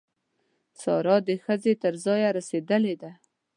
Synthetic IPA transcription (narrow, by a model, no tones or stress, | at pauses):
sɑɾɑd̪əxəzet̪əɾzɑjaɾased̪əled̪a